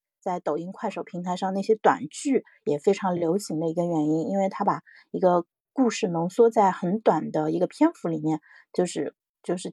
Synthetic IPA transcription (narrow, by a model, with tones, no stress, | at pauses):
t͡sa˥˩ɪt̪o˨˩ʊi˥ŋkʰwa˥˩ɪʂo˨˩ʊpʰi˧˥ŋt̪ʰa˧ɪʂɑ˥˧ŋna˥˩ɕjɛ˥t̪wa̰˨˩nt͡ɕy˥˩ | jɛ˨˩fe˥ɪʈ͡ʂʰɑ˧˥ŋljo˧˥ʊɕi˧˥ŋd̪ə˧i˧˥ɡə˧ɥɛ˧˥ni˥ni˥nwe˥˩ɪt̪ʰa˥pa˨˩ | i˧˥ɡə˧ | ku˥˧ʂɻ̩˥˩nɤ˧˥ŋswɔ˥t͡sa˥˩ɪxə˧˥nt̪wa˨˩nd̪ə˦i˧˥ɡə˧pʰjɛ˥nfu˧˥li˨˩mjɛ˥˩n | t͡ɕjo˥˧ʊʂɻ̩˥˧ | t͡ɕjo˥˧ʊʂɻ̩˥˩